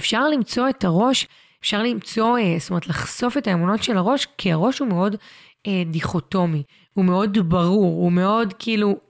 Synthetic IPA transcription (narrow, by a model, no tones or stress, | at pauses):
efʃaʁlimt͡so̞etaʁo̞ʃ | efʃaʁlimt͡so̞stomeet̪laχso̞fetaemuno̞tʃelaʁo̞ʃkʰiaʁo̞ʃhume̞o̞d | ediχo̞to̞mi | hume̞o̞dbɐʁuʁume̞o̞dkiilu